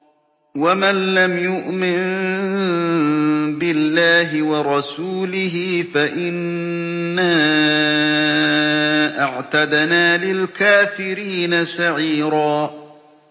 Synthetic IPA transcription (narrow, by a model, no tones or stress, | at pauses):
wamanlamjʊʔmɪn | bɪlːaːɦɪwɑɾˤɑsuːlɪɦɪfaʔɪnː | a | ʔaʕt̪ad̪naːlɪlkaːfɪɾiːnasaʕiːɾaː